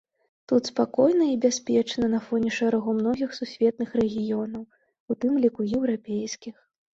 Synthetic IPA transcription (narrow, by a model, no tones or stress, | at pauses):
t̪ut̪spakɔjnɐibʲasʲpʲɛt͡ʂnɐnɐfɔnʲɛʂɛɾaɣɔmnɔɣʲixsusʲvʲɛt̪̚nɨxɾɛɣʲijɔnɐw | ut̪ɨmlʲikujɛwɾapʲejskʲix